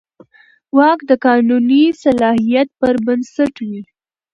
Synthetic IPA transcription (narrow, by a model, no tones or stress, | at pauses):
wɑkd̪əkɑnunisalɑhijat̪̚pəɾbənsaʈwi